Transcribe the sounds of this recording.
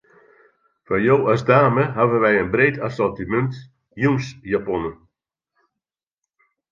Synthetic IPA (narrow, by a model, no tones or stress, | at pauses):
fajoːasdaːməɦavənʋɛjənbreːtʰasɔtimɛnt | jumsjapɔnə